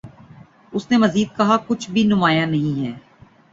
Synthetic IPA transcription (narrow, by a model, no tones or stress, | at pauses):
ʊsnemɐziːd̪̚kɐɦakʊt͡ʃʰbʱinʊmaːjanɐɦĩɦɛː